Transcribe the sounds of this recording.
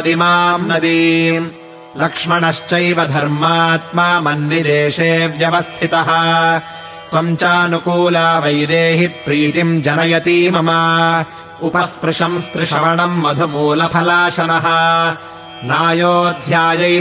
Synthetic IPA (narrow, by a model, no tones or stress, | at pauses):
d̪imaːmnɐd̪i | lɐkʂmɐɳɐʃt͡ʃɐjʋɐd̪ʱɐɾmaːt̪maːmɐnʋid̪eːʂeːʋjɐʋɐst̪ʰit̪ɐɦɐ̆ | sɐmt͡ʃaːnukuːlaːʋɐjd̪eːɦipɾiːt̪imd͡ʒɐnɐjɐt̪iːmɐmɐ | upɐspɾɪʂɐmst̪ɾɪʂɐʋɐɳɐmːɐd̪ʱumuːlɐpʰɐlaːʂɐnɐɦɐ | naːjoːd̪ʱjaːjɐ